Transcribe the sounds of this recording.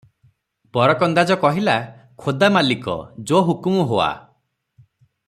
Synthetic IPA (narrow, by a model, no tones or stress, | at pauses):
bɔɾɔkɔnd̪ad͡ʒɔkɔɦila | kʰod̪amalikɔ̰d͡ʒoɦukumɔɦoa̰